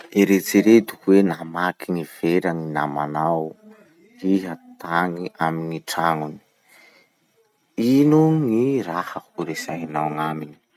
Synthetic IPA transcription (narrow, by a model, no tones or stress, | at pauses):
eɾet͡siɾed̪u̥kuwenamakʰiŋiv̥eɾaŋina̰ma̰naw | iɦat̪aŋiʔamiŋiʈ͡ʂaŋuni̥ | inuŋirahahuɾesajanawŋamini̥